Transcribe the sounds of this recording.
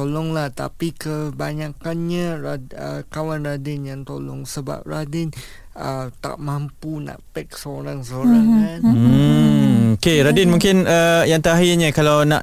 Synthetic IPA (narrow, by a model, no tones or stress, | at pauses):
t̪olɔŋlaht̪a̰pikəbaɲakanɲaɾaəkawanradɪnjaŋt̪olɔ̰ŋsəba̰p̚radɪn | ət̪a̰ʔmampuna̰ʔpɛk̚səoɾaŋsəoɾaŋan | okeɾadɪnmũŋkɪnəjaŋt̪aaɦiɲakalawnã̰ʔ